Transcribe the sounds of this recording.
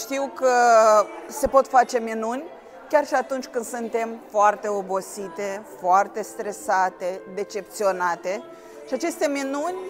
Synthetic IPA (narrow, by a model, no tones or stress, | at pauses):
ʃt̪iwkə | se̞po̞t̪fat͡ʃe̞minunʲ | kʲarʃiat̪unt͡ʃʲkɨnd̪̥sɨnt̪e̞mfoart̪e̞o̞bo̞sit̪e̞foart̪e̞st̪ɾe̞sat̪e̞d̪e̞t͡ʃe̞p̚t̪sio̞nat̪e̞ | ʃiat͡ʃe̞st̪e̞minunʲ